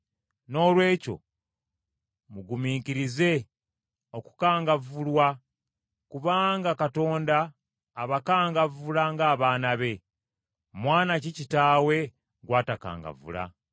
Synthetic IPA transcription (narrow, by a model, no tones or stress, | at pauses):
no̞ːlwe̞ːco̞̰ | muɡumiːkiɾize̞ | oku̥kaːŋɡavulwa | kuβaːŋɡakato̞ːndaː | βakaːŋɡavulaŋɡaːβaːnaβe̞ | mwaːnacicitaːwe̞ | ɡwaːtaka̰ːŋɡa̰vṵla̰